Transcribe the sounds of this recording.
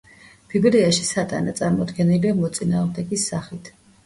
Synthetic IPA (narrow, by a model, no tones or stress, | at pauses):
b̥ibɾiaʃi̥sat̪ʼa̰nat̪sʼaɾmɔd̪ɡɛniliamɔt̪sʼinaːʁmd̪ɛɡisːaχit̪ʰ